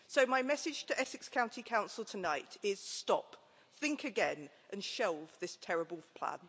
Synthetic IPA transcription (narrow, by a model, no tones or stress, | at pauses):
səʊmaɪmɛsɪd̥ʒ̥tʰəʔɛsɪkskʰãʊ̃ntʰikʰãʊ̃nsəlˠtʰənaɪtʰɪz̥stɒ̰p | θɪ̃ŋkʰəɡɛ̃n | ʔə̃nʃɛlˠvðɪstʰɛɹəbəlˠpʰl̥ã̰n